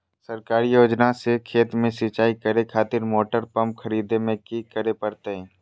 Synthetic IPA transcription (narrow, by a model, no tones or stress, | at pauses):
səɾkaːɾijoːd͡ʒnasekʰeːt̪mẽsit͡ʃaːikəɾekʰaːt̪ɪɾmoːʈəɾpə̃mp̚kʰəɾiːd̪emẽkikəɾepəɾt̪eɦɛ̃ː